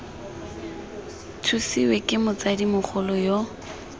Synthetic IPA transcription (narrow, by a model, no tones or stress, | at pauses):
tʰusiwekʼɪmʊt͡sadimʊk͡xʰʊlɔjo